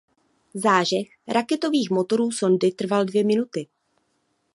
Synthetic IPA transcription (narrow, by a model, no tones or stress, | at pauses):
zaːʒɛx | ɾʔakɛt̪o̞viːxmo̞t̪o̞ɾuːso̞ndɪt̪r̩valdvjɛmɪnut̪ɪ